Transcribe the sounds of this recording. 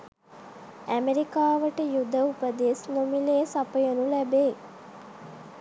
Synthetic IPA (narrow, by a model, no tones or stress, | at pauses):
æmeɾikaːʋəʈəjud̪əupəd̪esnomileːsapəjənulæbeː